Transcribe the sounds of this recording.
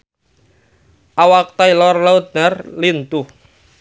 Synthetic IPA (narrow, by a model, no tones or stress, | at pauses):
ʔawak̚t̪ailɔrlaut̪̚narlint̪uh